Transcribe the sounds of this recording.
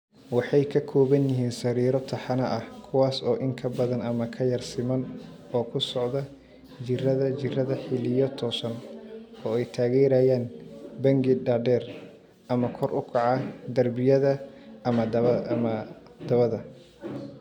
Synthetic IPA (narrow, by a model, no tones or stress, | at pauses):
wɑħɑjkʰɐkʰɔːβɐnjɪɦiːnsɐɾiːɾɔt̪ʰɐħɑnɐʔɐhkʰʊwaːsɔːʔɪŋkʰɐbɐðɐnɐmɐkʰɐjɐrsɪmɐnɔːkʰʊsɔʕðɐ | t͡ʃɪrɐðɐt͡ʃɪrɐðɐħɪlɪjɔt̪ʰɔːsɐnɔːɛjt̪ʰaːɣɛːɾaːjaːnbɐŋɡɪɖaːɖɛːr | ʔɐmɐkʰɔrʔʊkʰɑʕɑd̪ɐrbɪjɐðɐmɐmɐd̪̥ɐβɐðɐ